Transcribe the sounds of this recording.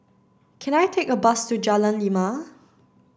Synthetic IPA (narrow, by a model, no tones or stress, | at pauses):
kʰɛ̃najtʰekəbastud͡ʒalə̃nlima